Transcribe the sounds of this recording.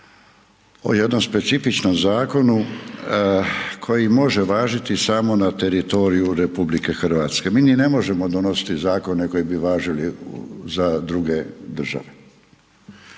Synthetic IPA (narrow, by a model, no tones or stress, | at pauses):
o̞̰je̞d̪nomspe̞t̪sifit͡ʃno̞mzaːko̞nu | kʰo̞jimo̞ʒeʋaːʒit̪isaːmo̞nat̪e̞ɾit̪o̞ːɾijuɾe̞publike̞xrɾ̩ʋaːt̪ske̞miːnine̞mo̞ʒe̞mo̞d̪ono̞si̥t̪izaːko̞neko̞jibiʋaːʒilizad̪ɾuɡe̞d̪r̩ʒa̰ʋe